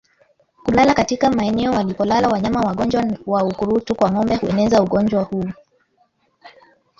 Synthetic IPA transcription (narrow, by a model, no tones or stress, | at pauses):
kulalakatikamaɛnɛɔwalipɔlalawaɲamawaɠɔɲd͡ʒwawaukuɾutukwaŋɔmbɛhuɛnɛzauɠɔɲd͡ʒwahuː